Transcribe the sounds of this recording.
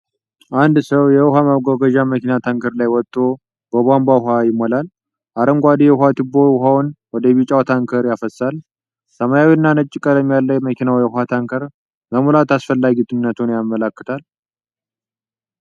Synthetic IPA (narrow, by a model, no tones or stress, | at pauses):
ʔand̪səwjɛɦamaɡoɡəʒaməkinat̪ʰaŋkʰəɾlajwɔt̪ʼːo | b̥əbambahajɪmːolal | ʔaɾəŋɡʷad̪ijɛhat̪ɨbːoɦawnwɔd̪əβit͡ʃʼawt̪ʰaŋkʰəɾjafəsːal | səmajawinːanət͡ʃʼːɪkʼələmjalːəjməkʰinawjɛhhat̪ʰaŋkʰəɾ | məmulat̪asfəlːaɡit̪ʰʼɨnːət̪ʰunjamːələkːɨt̪ʰal